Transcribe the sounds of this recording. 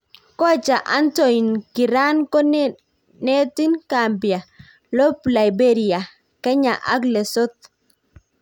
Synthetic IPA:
kɔ˦t͡ʃa˨ʔa˦nto˨i˨nki˨ɾa˦nkɔ˦n | nɛ˦ti˦nkambi˨a˨ | lo˦pla˨jbe˦ɾi˨a˨ | kɛ˦ɲa˨ʔa̰˦ɡle˨so˦t̚

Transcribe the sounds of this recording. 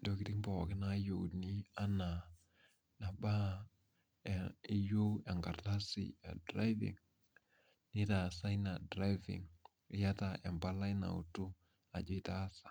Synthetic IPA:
do˦kɪ˦tɪ˦ŋbɔ˨kɪ˦na˦jo˨wni˦a˦na˨ | na˨ba˦˨ | ɪ˦jo˦ɛ˨ŋɡa˨rta˦sɪ̰˨a̰˨dɾa˦jvɪ̰˨ŋ | nɪ˦ta˨sa˦jna˨dɾa˦jvɪ̰˨ŋ | ɪ˦ja˦ta˨ʔɛ˨mba˦la˦jna̰˨ṵ˨tu˦ | a̰˨d͡ʒe˦ta˦sḁ˨

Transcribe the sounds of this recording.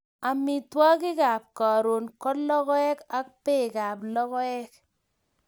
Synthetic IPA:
a˨mi˨twɔ˦kɪ˦kaː˨p̚ka˨ɾo˨nkɔ˦lɔ˦kɔ˦ɛ˦ka˦k̚pɛ˦˨ka˨plɔ˦kɔ˦ɛ˦k̚

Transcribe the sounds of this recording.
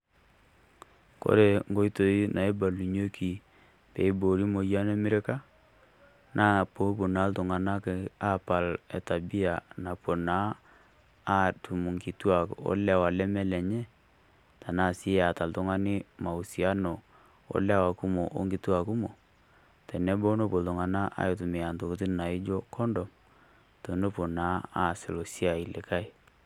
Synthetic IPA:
ko̰˦ɾe˨ŋɡo˦i˦to˨i˦nʔa˨e˦ba˨lu˨ɲo˦ki˨ | pe˨i˦bo˨ɾi˦mo˨ja˦nɛ˦mɪ˦ɾe˦ka˦ | nʔa˦˨po˨˦po˨na˨˦ltʊ˨ŋa˨na˦kɛ˨a˦pa˨lɛ˨ta˨bi˦a˨na˨po˨na˦ | tu˨mu˨ŋki˨tu˦a˨kɔ̰˦lɛ˦˨wa˨lɛ˦mɛ˦lɛ˨ɲɛ˦ | ta˨na˦˨si˦a˨ta˨ltʊ˦ŋa˦nɪ˦ma˨u˨si˨a˦no˨ | o̰˦lɛ˦wa˨ku˦mo˨ʔo̰˦ŋɡi˨tu˦a˨ku˦mo˨ | tɛ˨nɛ˦bo˦no˦po˨ltʊ˨ŋa˨na˦ʔa̰˨˦jo˨tu˨mɪ˨ja˨nto˨ku˨ti˦na˨ɪ˦d͡ʒɔ˦kɔ˦ndɔ˨m | to˨no˦po˨na˨˦a˦˨sɪ˨lo˨si˦a˨i˨le˨ka˦i˨

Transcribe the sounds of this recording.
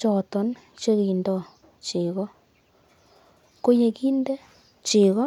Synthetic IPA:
t͡ʃɔ˨tɔ˦n | t͡ʃe˦ɣi˨ndɔ˨ | t͡ʃi˨ɣɔ˦ | ko˦je˧ki˦nde˦ | t͡ʃi˨ɣɔ˦

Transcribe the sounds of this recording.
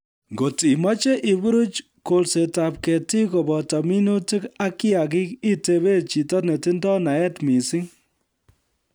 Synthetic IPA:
ŋɡo˨ti˨mɔ˦t͡ʃe˦ʔɪ˨bu˦ɾu˦t͡ʃ | ko˨lse˨ta˨p̚kɛ˨ti˦ko˨bɔ˨tɔ˨mi˦nu˦ti˦ka˦kiɪ˦a˨kɪ˦ki˦te˨βe˦t͡ʃi˨tɔ˦tne˨tɪ˦ndɔ˦na˨ɛ˦tmi˨sɪ˦ŋ

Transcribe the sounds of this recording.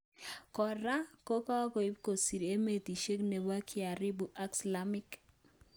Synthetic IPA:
kɔ˨ɾa˦ko˦ka˦ko˨i˦bko˨si˨ɾe˦me˨ti˨ʃe˦kne˨wa˦kʰi˦a˨ɾi˦bu˨ʔa˦ksla˨mi˦k

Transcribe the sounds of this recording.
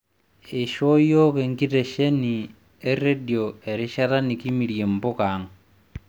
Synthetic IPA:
e˨ʃo˦jo˦ke˨ŋɡi˦te˨ʃe˦ni˨ | e˦re˦djo˨e˨ɾɪ˦ʃa˦ɾa˦ni˨ki˦mi˨ɾje˨mbo˦ka˨˦ŋ

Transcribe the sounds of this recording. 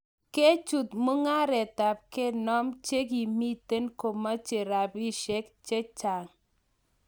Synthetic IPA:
ke˦t͡ʃu˨t̪mʊ˦ŋa˦ɾɛ˨ta˨p̚ke˦nɔ˦mt͡ʃe˦k̬i˨mi˦te˦nko˨ma˦t͡ʃe˨ɾa˨bi˦ʃe˦kt͡ʃe˦t͡ʃa˨ŋ

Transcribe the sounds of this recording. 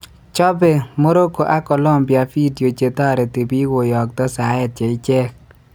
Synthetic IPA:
t͡ʃɔ˦bɛ˨mo˦ɾo˦ko˨ʔa˦kɔ˨lɔ˦˨mpja˨fi˦djo˨t͡ʃe˨tɔ˦˨ɾɛ˨te˨bi˦ɡo˨jɔ˨k̚t̪ɔ˦sa˨˦jɛ˨t̚t͡ʃe˨ɪ˦t͡ʃɛ˦k

